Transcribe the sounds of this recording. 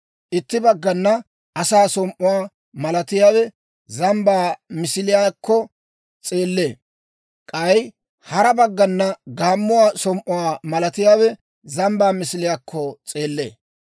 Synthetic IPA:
ʔɪt̪ːɪbɐɡːɐnːɐ | ɐsaːsɔmʔʊwaː | mɐlɐt̪ɪjaːwɛ | zɐmbaːmɪsɪlɪjaːkːɔ | t͡sʼe̞ːlːe̞ː | kʼɐj | hɐɾɐbɐɡːɐnːɐɡaːmːʊwaːsɔmʔʊwaːmɐlɐt̪ɪjaːwɛ | zɐmbaːmɪsɪlɪjaːkʰːɔt͡sʼe̞ːlːe̞̰ː

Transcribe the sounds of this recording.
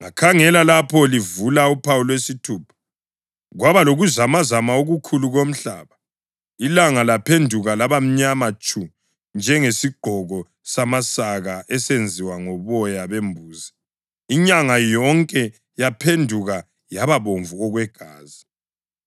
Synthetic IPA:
ŋa̰kʰaŋɛlalapʰɔlivulaupʰawulwesitʰuːpʰḁ | ɣwaβaloɣuzamazamaoɣukʰuluɣom̩ɬa̰ːβa | ilaŋalapʰendʱuɣalaβam̩ɲamat͡ʃʼu | nd͡ʒʱɛŋesiɡ͡ǃʱɔɣɔ | samasaɣaʔɛsend͡zʱiwaŋɔβɔjaβembʱuːza | iɲaŋajɔŋkʼɛ | japʰendʱuɣa | jaβaβoɱvuɔɣwɛɡ̥ʱaːzi

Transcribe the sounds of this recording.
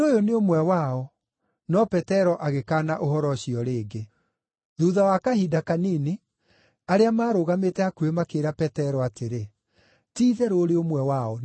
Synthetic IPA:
ojoneomwɛwaɔ | nɔpɛtɛɾɔʔaɣekaːnaʔoɦɔɾɔɕiɔɾeːɡe | ðuːðawakahiːdakanini | aɾeamaːɾoɣametɛakuemakeːɾapɛtɛɾɔateɾe | tiːðɛɾoɾeomwɛwaɔ

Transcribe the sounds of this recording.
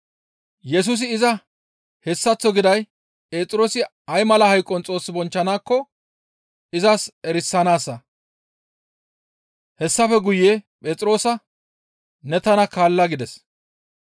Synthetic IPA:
jɛs̬uːs̬ɪːzɐ | hɛsːɐt͡sːɔɡɪd̪ɐj | pʼe̞ːt͡sʼɪɾo̞ːsɪ | ɐjmɐlɐhɐjkʼːɔnt͡sʼo̞ːsːɪbɔnt͡ʃːɐnaːkːɔ | ɪzɐsɛɾɪsːɐnaːsːɐ | hɛsːɐfɛɡʊjːeːpʼeːt͡sʼɪɾo̞ːsɐ | nɛt̪ɐnɐkaːlːɐɡɪd̪ɛs

